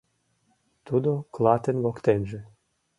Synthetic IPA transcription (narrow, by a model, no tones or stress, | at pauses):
t̪ud̪oklˠɑt̪enβokt̪enʒĕ